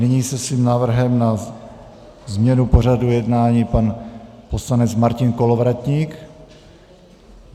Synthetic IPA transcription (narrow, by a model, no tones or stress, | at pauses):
nɪɲiːsɛsviːmnaːvr̩ɦɛmna | zmɲɛnupo̞radujɛdnaːɲiːpanpo̞slanɛt͡smaɾcɪnko̞lo̞vɾat̪ɲiːk